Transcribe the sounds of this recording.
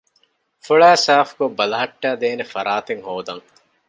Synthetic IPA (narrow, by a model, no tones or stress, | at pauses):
fuɭæːsaːfɡobɐlɐɦɐʈːæːd̪eːnefɐɾaːt̪eŋhoːd̪ɐŋ